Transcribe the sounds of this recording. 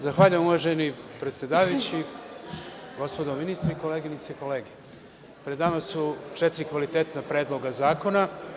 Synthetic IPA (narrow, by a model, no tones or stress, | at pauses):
zaxʋaːʎujamuʋaʒenipɾe̞t̪sjed̪aːʋajut͡ɕi | ɡo̞spod̪ominist̪ɾaiko̞leɡinit̪seko̞leːɡe | pɾed̪aːnasːut͡ʃɛt̪iɾikʋalit̪et̪napɾed̪lˠo̞ɡazaːko̞na